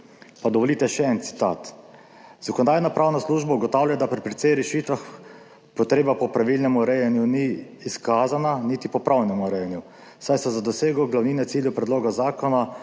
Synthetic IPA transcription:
pad̪ɔʋɔliːt̪ɛʃɛɛnt̪si̥t̪a̰ːt̪ | z̥akɔnɔd̪aːjnapɾʔaːwnasluːʒbauɡɔt̪awljajd̪apɾipɾɛt̪sɛjɾɛʃit̪ʋax | pɔt̪ɾeːbapɔpɾaʋilnɛmuɾɛjɛnjuniːskaːzananit̪ipɔpɾʔawnɛmuɾɛjɛnju | sajsɛzad̪ɔseːɡɔɡlawniːnɛt̪siːljɛpɾɛd̪loːɡazaːkɔna

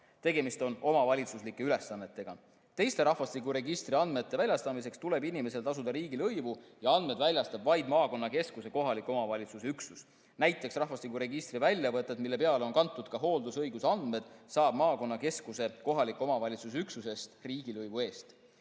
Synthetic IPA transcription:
t̪e̞ɡ̥e̞mist̪o̞no̞mɑvɑlʲit̪suslikˑːe̞yle̞sːɑnːe̞t̪ːˑe̞ɡ̥ɑ̰ | t̪e̞jst̪e̞ɾɑhvɑst̪likuɾe̞ɡist̪riɑnd̪me̞t̪ːe̞vælʲjɑst̪ɑmis̬e̞kst̪ule̞binime̞se̞lt̪ɑsud̪ɑɾiːɡilɤjvujɑɑnd̪me̞d̪vælʲjɑst̪ɑb̥vɑjd̪mɑːko̞nːɑke̞skuse̞ko̞ɦɑlikːˑo̞mɑvɑlʲit̪susyksus | næjt̪ˑːe̞ksrɑhvɑst̪ikːuɾe̞ɡist̪rivælʲjɑvɤt̪ːˑed̪̥milːe̞peɑle̞o̞nkɑnt̪ːˑud̪̥kɑɦo̞ːld̪usɤjɡusɑnd̪̥me̞d̪̥sɑːb̥mɑːko̞nːɑke̞skuse̞ko̞ɦɑlikːˑo̞mɑvɑlʲit̪sus̬eyksuse̞st̪riːɡ̥ilɤjvue̞ːst̪

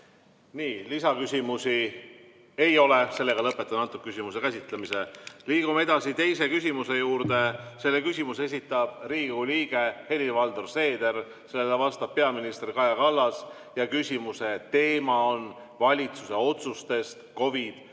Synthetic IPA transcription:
niːlisɑkysʲimusi | e̞jo̞lese̞lːe̞ɡ̥ɑlɤpːet̪ːˑɑnɑt̪ːˑukːkysʲimuse̞kæsʲit̪lemise̞liːɡ̥umee̞d̪̥ɑsit̪e̞jse̞kysʲimuse̞juːɾd̪e̞se̞lːe̞kysʲimuse̞sit̪ːˑɑb̥riːɡuliːɡ̥e̞he̞livɑld̪urse̞ːd̪̥e̞r | se̞lːelevɑst̪ɑb̥̚pe̞ɑminist̪erkɑjɑkɑlːɑs | jɑkysʲimuse̞t̪e̞ːmɑo̞n | vɑlʲit̪suse̞o̞t̪sust̪e̞st̪ko̞vid̪̥

